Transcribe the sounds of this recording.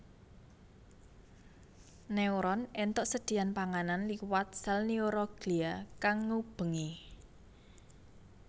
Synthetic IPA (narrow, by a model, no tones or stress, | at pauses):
nɛuɾɔnɛnt̪ɔʔsəd̪̥i̤anpaŋananliwat̪̚salnioɾɔɡ̥liakaŋːub̥ə̤ŋe